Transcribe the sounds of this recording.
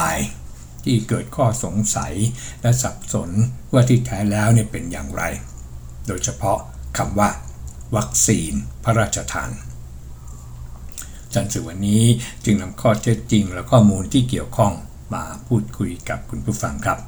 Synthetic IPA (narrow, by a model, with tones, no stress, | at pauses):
aː˨˦j | t̪ʰiː˥˩kɤː˨˩t̪̚kʰɔː˥˩so˨˩˦ŋsa̰˩˦jlɛ˦˥sa˨˩p̚so˩˦nwaː˥˩t̪ʰiː˥˩t̪ʰːɛː˦˥lɛː˦˥wni˥˩əpe˧nja̰ː˨˩ŋɾa̰˧j | doː˧jt͡ɕʰa˧pʰɔ˦˥ʔkʰa˧mwaː˥˩ | wa˦˥k̚siː˧npʰa˦˥ɾaː˥˩t̪̚t͡ɕʰa˧t̪ʰa̰ː˨˧n | t͡ɕa˧nsɯː˨˩wa˧nːiː˦˥t͡ɕɯ˧ŋna˧mkʰɔː˥˩t̪ʰe˦˥t̪̚t͡ɕi˧ŋlɛ˦˥wkʰɔː˥˩muː˧nt̪ʰiː˥˩ki˨˩əwkʰɔ˥˩ŋ | maː˧pʰuː˥˩t̪̚kʰu˧jka˨˩p̚kʰu˧npʰuː˥˩fa̰˧ŋkʰa˦˥p̚